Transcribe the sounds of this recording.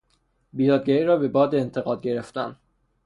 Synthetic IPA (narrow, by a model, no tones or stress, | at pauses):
bijɒːd̪̚ɡæiɾɒːbe̞bɒːd̪eːnt̪ʰeɣɒːd̪̚ɟe̞ɾeft̪æn